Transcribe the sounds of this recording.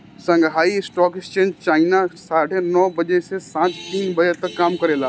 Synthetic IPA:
sɐ̃ŋɡɦaːiɪsʈɔːkɪst͡ʃẽːnd͡ʒt͡ʃaːɪnasaːʈʰenɔːbɐd͡ʒesesãːt͡ʃt̪iːnbɐd͡ʒet̪ɐkːaːmkɐɾeːlaː

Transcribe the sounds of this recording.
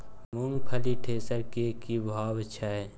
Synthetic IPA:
munpʰəliʈʰeːsəɾkekibʱaːwt͡ʃʰae

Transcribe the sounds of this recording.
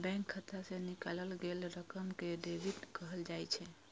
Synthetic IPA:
bɛ̃ŋkʰːət̪asenikaləlɡelɾəkəmkeɖebiʈkəɦəld͡ʒajt͡ʃʰɛ

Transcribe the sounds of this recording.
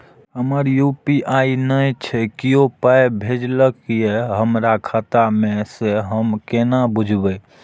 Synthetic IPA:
ɦəməɾjupiʔainət͡ʃʰɛkiopəjbʱed͡ʒləkijeɦəmɾakʰat̪amẽseɦəmkenabud͡ʒʱbə

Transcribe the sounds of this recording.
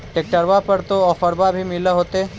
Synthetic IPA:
ʈeːk̚ʈəɾʋapɐɾt̪oɔːfəɾbabʱimɪleɦoːt̪eɛ

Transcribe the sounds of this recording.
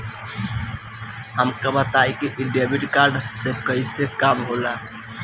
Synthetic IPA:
ɦəmkabət̪aikiʔiɖebiʈkaɾɖsekəisekamɦola

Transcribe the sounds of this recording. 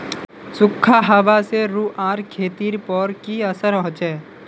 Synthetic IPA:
sʊkʰːaɦaʋaseɾuːʔãːɾkʰeːt̪iːɾpɔɾkiəsəɾɔ̃ɦʊ̃t͡ʃɛː

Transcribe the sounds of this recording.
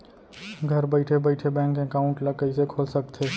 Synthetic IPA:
ɡʱəɾbəɪʈʰebəɪʈʰebɛ̃ŋkekaʊ̃ɳʈləkəɪsekʰolsəkt̪ʰe

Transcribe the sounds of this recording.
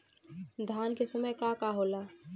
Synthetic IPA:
d̪ʱaːnkesəməjkakaɦoːlaː

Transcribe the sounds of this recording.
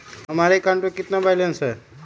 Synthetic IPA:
ɦəmaɾekaɳʈokit̪nabajleənsəɾ

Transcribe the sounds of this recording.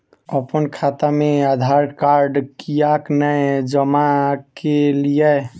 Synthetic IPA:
əpənkʰat̪amead̪ʱaɾkaɾɖkijaknəjd͡ʒəmakelije

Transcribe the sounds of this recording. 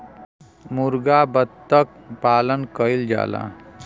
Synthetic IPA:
muɾɡabəd̪t̪ːək̚paːlənkəild͡ʒa̰ːla̰

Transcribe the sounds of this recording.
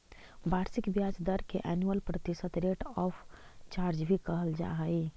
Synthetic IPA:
bʱaːɾsɪkbjaːd͡ʒd̪əɾkeʔɛːnjuəlpɾɐt̪ɪʃət̪ɾeːʈɔːfʰt͡ʃaːɾd͡ʒbʱikɐɦəld͡ʒa̰ːɦəi

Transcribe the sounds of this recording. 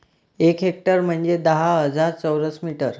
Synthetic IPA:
ekɦek̚ʈəɾm̤əɳd͡zed̪əɦaɦəd͡zaɾt͡səwɾəsmiʈəɾ

